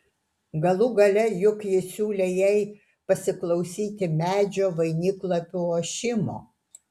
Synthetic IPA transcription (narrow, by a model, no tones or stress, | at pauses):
ɡɐlˠʊɡɐlʲɛjʊkjɪsʲuːlʲejɛɪ | pɐsʲɪklˠɔʊsʲiːt̪ʲɪmʲæːd͡ʒʲoːʋɐɪnʲiklˠɐpʲɪoːʃʲɪmo̰ː